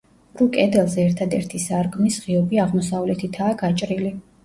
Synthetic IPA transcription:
ɾukʼɛd̪ɛlˠzɛɛɾt̪ʰad̪ɛɾt̪ʰisaɾɡmisʁiɔbiaʁmɔsavlɛt̪ʰit̪ʰaːɡat͡ʃʼɾili

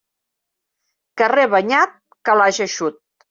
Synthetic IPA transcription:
kəreβaɲat̪̚ | kalaʒeʃut̪̚

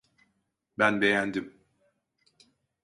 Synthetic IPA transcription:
bænbejænd̪im

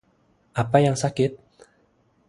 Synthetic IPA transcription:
ʔapajaŋsakɪt̪̚

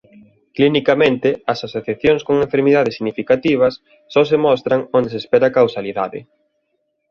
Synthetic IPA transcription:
klinikamẽnt̪ɪɐsasoθjaθjoŋskoŋẽɱfeɾmiðaðɪsiɣnifikat̪iβ̞ɐsː | ɔsemɔst̪ɾaŋond̪esespɛɾakawsaliðaðɪ̰

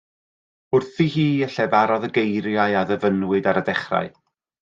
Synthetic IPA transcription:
ʊrθihiːəɬɛvaɾɔðəɡejɾjaɨaðəvənwɨdaɾədɛχra̰ɨ

